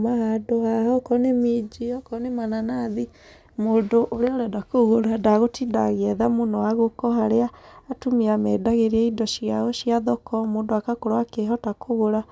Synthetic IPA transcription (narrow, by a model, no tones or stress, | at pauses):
mahadoahɔkɔnemid͡ʒiɔkɔnemananaði | moːndoʔoɾeɔɾɛdakoɣoɾadaɣotida̰ɣeɛðamonɔaɣokɔhaɾeaːtumiamɛdaɣeɾiɛidɔʃiaɣoʃiaðɔkʰɔmondoakakoɾoakeɦɔtakoɣoɾa